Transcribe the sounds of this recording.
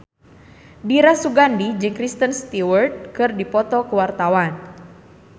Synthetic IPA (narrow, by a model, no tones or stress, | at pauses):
diɾasuɡandid͡ʒɨŋkɾist̪ənst̪iwərd̪̚kɨrdipɔt̪ɔkəwart̪awan